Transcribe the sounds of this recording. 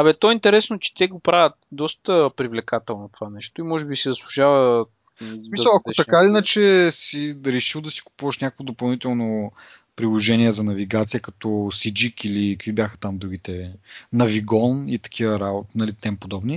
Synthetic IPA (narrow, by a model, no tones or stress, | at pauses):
ɐbɛt̪ɔɛint̪ɛɾɛsnot͡ʃɛ̥t̪ʲɛɡopɾavʲət̪̚d̪ɔst̪əpɾivlɛkat̪ɛlˠnot̪o̥vanɛʃt̪oimɔʒɛbisizəslˠuʒavə | smisəlˠɐk̪ot̪ɐkaiinət͡ʃɛsiɾɛʃilˠd̪ɐsi̥ku̥puvɐʃnʲakəkvod̪opɐlˠnit̪ɛlˠno | pɾilˠoʒɛniɛzɐnɐviɡat̪sijəkɐt̪ɔsid͡ʒikilikvibjaxə̥t̪amd̪ɾuɡʲit̪ɛnɐviɡɔnit̪ɐ̥k̟ʰivɐɾabot̪nɐlit̪ɛmpod̪ɔbni